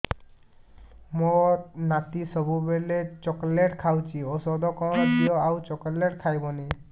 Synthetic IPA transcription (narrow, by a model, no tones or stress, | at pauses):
moɾnat̪isɔbubelet͡ʃɔkleʈkʰawt͡ʃʰiosɔd̪ɔkɔ̃ɔd̪ijɔawt͡ʃɔkɔleʈkʰajbɔne